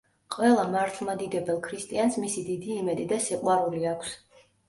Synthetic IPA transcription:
qʼwɛlˠamaɾt̪ʰlˠmad̪id̪ɛbɛlˠkʰɾist̪ʼiansmisid̪id̪iːmɛd̪id̪asiqʼwaɾuliakʷʰs

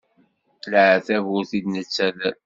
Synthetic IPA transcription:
lʕθævʊɾθid̪nət͡sːæð

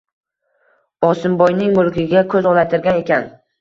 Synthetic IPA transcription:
ɒsɪmbɒjnɪŋmʊlˠkʲɪɡʲakʰɵzɒnat̪ʰɪɾɡʲane̞kʲan

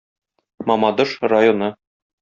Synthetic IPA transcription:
mɒmɑd̪ɤʃrajonɤ

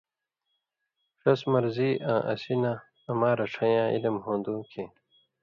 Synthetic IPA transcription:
ʂɐsmɐɾziːʔãːʔɐ̰sinãː | maːɾɐʈ͡ʂʰɐjãːʔḭlɐmɦõːnd̪ũːkʰẽː

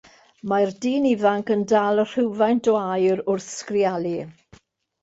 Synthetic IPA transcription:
mardiːnivaŋkəndalˠər̥ɪwvajnd̥waːjəɾʊrθskrialˠi

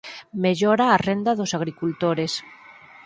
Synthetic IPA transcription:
meʎoɾaːrend̪aðosaɣ̞ɾikult̪oɾes

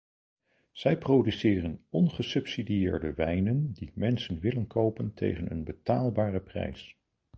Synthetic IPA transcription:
z̥ɛjprowdysɪːrənɔnχəsɵpsidijɪːɹdəʋɛjnəndimɛnsənʋɪlənkʰowpəntʰḛjχənənbətaːlˠbaːrəprɛ̰js

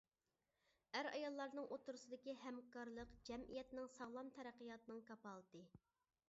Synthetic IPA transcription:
æɾɑ̰jɑlˠːɑɾnɨŋʔot̪uɾusɨd̪ɪkʲiɦɛmkɑɾlˠəqd͡ʒɛmijɛt̪nɪŋsɑʁlˠɑmt̪ʰɛɾæqːəjɑt̪ɨnɨŋkʰɑpɑlˠd̪ɨ

